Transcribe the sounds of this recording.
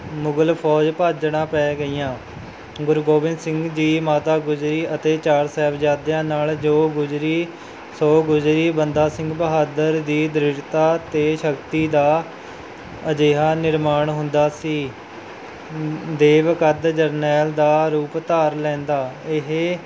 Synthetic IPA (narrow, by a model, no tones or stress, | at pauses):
mʊɡəlpʰɔːd͡ʒpaːd͡ʒɽãːpɛːɡəiːãː | ɡʊɾɡoːbɪ̃nd̪sɪ̃ŋɡd͡ʒiːmaːt̪aːɡʊd͡ʒɾiːət̪eːt͡ʃaːɾsɛːbd͡ʒaːd̪jãːnaːld͡ʒoːɡʊd͡ʒɾiː | soːɡʊd͡ʒɾiːbənd̪aːsɪ̃ŋɡbəɦaːd̪əɾd̪iːd̪ɾɪɾt̪aːt̪eːʃəkt̪iːd̪aː | əd͡ʒeːɦaːnɪɾmaːɳɦʊnd̪aːsiː | d̪eːʋkəd̪d͡ʒəɾnɛːld̪aːɾuːpt̪aːɾlɛ̃ːnd̪aːɪɦ